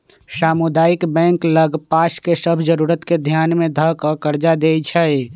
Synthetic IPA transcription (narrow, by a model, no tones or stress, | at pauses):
saːmud̪aːikbɛ̃ːŋkləɡpaːʃkesəbʱd͡ʒəɾuːɾət̪ked̪ʱjaːnmẽd̪ʱəɦkəkəɾd͡ʒad̪et͡ʃʰɛj